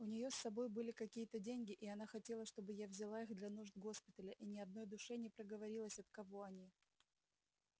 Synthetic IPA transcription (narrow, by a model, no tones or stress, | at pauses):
ʊnʲɪjo̞sːɐbo̞jbɨlʲɪkɐkʲijət̪ədʲenʲɡʲɪʔɪɐnaxɐtʲe̞lˠəʂt̪o̞bɨjavzʲɪlˠaiɣd̪lʲɐnuʐd̪ɡo̞spʲɪt̪əlʲəʔinʲɪɐd̪̚no̞jd̪ʊʂɛnʲɪpɾəɡəvɐɾʲilˠəsʲɐt̪̚kɐvo̞ɐnʲi